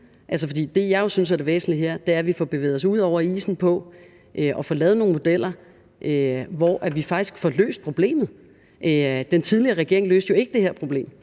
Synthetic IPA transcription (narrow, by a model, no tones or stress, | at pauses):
ʔæls̬əfɒ̽d̥ḭːd̥e̝jɑ̈ɪjo̝syns̬æɐd̥e̝ʋḛːsn̩liɦeɐ̰d̥e̝æɐʋifɒb̥e̝ʋḛːð̩ˠɒ̽suð̰ˠɒʊ̰ɐḭːsn̩pʰɒ̽ | ʔøʔɒ̽fɒːlɛːð̞̩ˠno̝ːŋnmod̥el̰ɐ | ʔøʋɒʔæʋifɑ̈ɡ̥i̥sɡ̥fɒlø̰ːsd̥̚pʰʁo̝b̥le̝̰ːmð̩ˠ | ʔd̥ent͡sʰiðˠliɐʁɛɡ̥e̝ɐ̰eŋlø̰ːsd̥jo̝e̝ɡ̥əd̥e̝heɐpʰʁo̝b̥le̝̰ːm